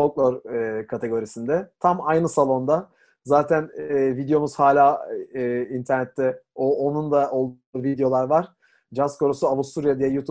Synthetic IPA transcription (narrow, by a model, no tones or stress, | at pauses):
oklˠoɾkʰat̪ʰe̞ɡo̞ɾisind̪ɛt̪ʰamajnɯsalˠo̞nd̪a | zaːt̪ʰænːvid̪ejo̞muz̥haːlʲaː | int̪ʰæɾnɛt̪ʰːɛoonund̪ao̞lˠd̪ | uːvid̪ejo̞lˠaɾvaɾ̥ | d͡ʒaskʰo̞ɾusuavust̪uɾijad̪ijɛjut̪ʰu